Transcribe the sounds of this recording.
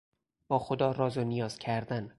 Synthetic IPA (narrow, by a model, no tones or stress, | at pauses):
b̥ɒːxod̪ɒːɾɒːzonijɒːz̥cʰæɾd̪æn